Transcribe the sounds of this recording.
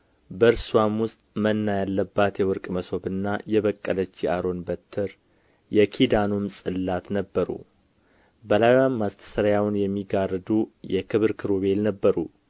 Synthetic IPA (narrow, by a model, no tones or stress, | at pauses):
bəɾswamwʊst̪ʼmənːajalːəbːat̪jɛwɔɾkʼməso̞bɨnːajɛβəkʼːələt͡ʃːiaɾo̞nbət̪ʰːəɾ | jɛkʰid̪anumsʼɨlːat̪nəbːəɾṵ | bəlajamːast̪ʰə̥səɾajawnjɛmːiɡard̪ujɛkʰɨβɨɾkʰɨɾoβe̞lnəbːəɾṵ